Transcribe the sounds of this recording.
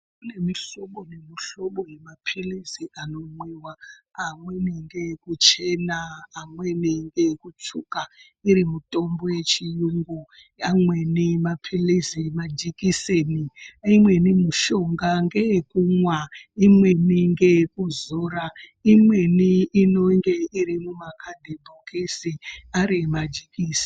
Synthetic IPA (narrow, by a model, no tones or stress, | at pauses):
kune̞miɬoɓonemiɬoɓojemapʰilisiʔano̞mwiwaːmweniŋɡekut͡ʃenaːmweniŋɡekut͡ʃuka | iɾimutʼombo̞jet͡ʃijuŋɡu | amwenimapʰilizimad͡ʒikiseniimwe̞nimuʃo̞ŋɡaŋɡekuŋwaimweniŋɡekuzoɾa | imweniːno̞ŋɡe̞iɾimumakʰadʱibʱokisiaɾimad͡ʒikiːsi̥